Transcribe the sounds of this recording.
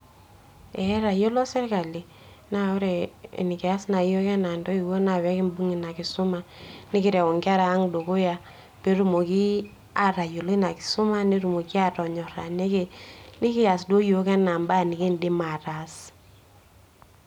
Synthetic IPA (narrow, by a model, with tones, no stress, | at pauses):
ɛ˨˦ɾa˨jo˦lo˦sɛ˦ɾka˨li˨ | na˦jɔ˦ɾɛ̰˨ni˨kɛ˨a˦sna˨jo˦kɛ˦na˨ndɔ˦i˨wo˦na˨wɛ˦kɪ˦mbu˦ŋi˨na˨kɪ˨sʊ˦ma˦nɪ˦kɪ˦ɾɛ˨wɔ˨ŋɡɪ˦a˦ɾaː˨˦ŋdo˨ko˦ja˦ | pe˦ɾu˨mo˨ki˦ | a˨ɾa˨jo˨lo˦i˦na˨ki̥˨sʊ˦ma˦ne˦ɾu˨mo˨ki˦a˦tɔ˨ɲɔ˨ɾa˨ne˦ke˦ni˦ki˦ja˨sdo˦jo˦kɛ˦na˨mba˦˨nɪ˨ke˦ndɪ˦ma˨ta˨s